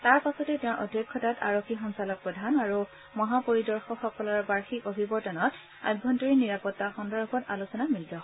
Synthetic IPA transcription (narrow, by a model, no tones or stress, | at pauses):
taɹpasɔtɛtɛ̃ɹʔɔdʱjɔkʰːɔtatʰa̰ɹokʰːixɔnsalɔk̚pɹɔdʱanaɹu | mɔɦapoɹidɔɹxɔxɔkɔlɔɹbaɹxikobʱibɔɹtanɔt | a̰jbʱɔntɔɹiniɹapɔtːaxɔndɔɹbɔtalusɔnamilːɔ